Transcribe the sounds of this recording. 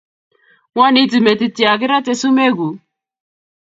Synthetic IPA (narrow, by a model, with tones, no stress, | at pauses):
ŋa˦ni˦ti˨me˨t̪i˨ti˨a˨kɪ˦ɾa˦tɛ˦˧su˦me˦ɡu˨